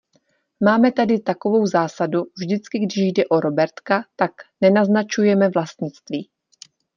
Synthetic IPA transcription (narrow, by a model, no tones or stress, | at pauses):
maːmɛt̪adɪt̪ako̞vo̞wzaːsaduvʒdɪt͡skɪɡdɪʃjdɛʔo̞ɾo̞bɛɾt̪kat̪aknɛnaznat͡ʃujɛmɛvlast̪ɲɪt͡st̪viː